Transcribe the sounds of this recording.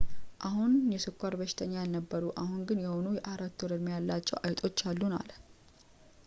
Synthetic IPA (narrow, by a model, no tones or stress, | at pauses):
ʔahunjɛsɨkʷːaɾbəʃɪ̥t̪ʰəɲːajɛnəbːəɾuʔahunɡɨnjɛhonujɛʔaɾat̪ːuɾəd̪mjalːat͡ʃːɛwʔajt̪ʼʰo̞t͡ʃːalːuna̰l